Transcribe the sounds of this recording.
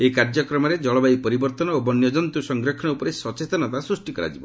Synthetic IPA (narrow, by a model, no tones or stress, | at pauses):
ekaɾd͡ʒɔkɾɔmɔɾed͡ʒɔɭɔbajpɔɾibɔɾt̪ɔnɔobɔnjɔd͡ʒɔnt̪usɔŋɡɾɔkʰɔnɔupɔɾesɔt͡ʃet̪ɔnɔt̪asɾusʈikɔɾa̰d͡ʒibɔ